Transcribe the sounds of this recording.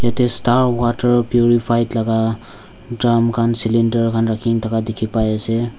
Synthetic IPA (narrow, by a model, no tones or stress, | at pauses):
et̪estaɾwaʈəɾpjuɾipʰajtlaɡa | dramkansilinɖəɾkʰanɾakʰiŋt̪ʌkad̪ekʰipajesʰe